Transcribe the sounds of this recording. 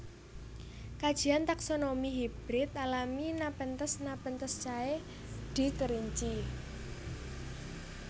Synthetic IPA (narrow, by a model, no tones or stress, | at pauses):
kad̥ʒ̥i̤ant̪aksonomiɦib̥ɾɪt̪̚alaminapənt̪əsnapənt̪əst͡ʃae | d̪̥i̤t̪əɾiɲt͡ʃi